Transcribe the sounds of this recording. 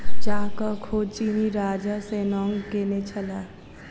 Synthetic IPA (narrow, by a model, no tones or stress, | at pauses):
d͡ʒaːkakʰoːd̪t͡ʃiːniɾaːd͡ʒaseːnɔːŋkeːnet͡ʃʰəlaː